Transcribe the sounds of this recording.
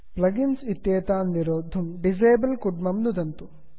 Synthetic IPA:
plɐɡinsit̪jeːt̪aːnːiɾoːd̪ʱumɖid͡ʒeːbɐlkuɖmɐmnud̪ɐnt̪u

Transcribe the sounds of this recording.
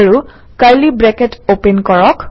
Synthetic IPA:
ɹu | kaɹlibɹɛketopenkɔɹɔk

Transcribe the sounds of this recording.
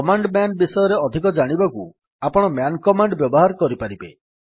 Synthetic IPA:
ɔmaɳɖmjanbisɔjɔɾeɔd̪ʱik̬ɔd͡ʒaɽ̃ibaku | apɔɽ̃ɔmjankɔmaɳɖbjɔbɔɦaɾkɔɾipaɾibḛ

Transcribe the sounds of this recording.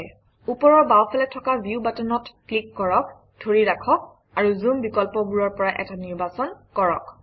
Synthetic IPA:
j | upɔɹɔbawpʰɛlɛtʰːɔkabiubatɔnɔtklikːɔɹɔk | dʰʱoɹiɹakʰɔk̚ | aɹuzumbikɔlpɔbuɹɔɹpɔɹaʔɛ̰taniɹbasɔnkɔɹɔk

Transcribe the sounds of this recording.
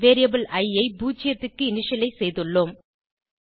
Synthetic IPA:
ʋeːɾɪjɐbɐlʔɐɪɐɪbuːt͡ʃːɪjɐt̪ːɯkːɯɪnɪʂɐlɐɪsɛjðɯɭːoːm

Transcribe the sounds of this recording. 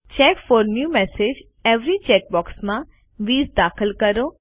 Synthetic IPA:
t͡ʃɛːkfɔːɾnjuːmɛsed͡ʒ | eʋɾit͡ʃɛːk̚bɔːksmã | ʋiːzd̪aːkʰəlkəɾo

